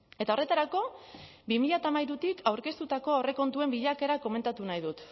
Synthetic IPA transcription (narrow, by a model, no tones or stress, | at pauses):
e̞t̪ao̞re̞t̪aɾako̞ | bimiʎat̪amajɾut̪ikʰawɾke̞st̪ut̪ako̞are̞ko̞nt̪ue̞mbiʎake̞ɾako̞me̞nt̪at̪unajðut̪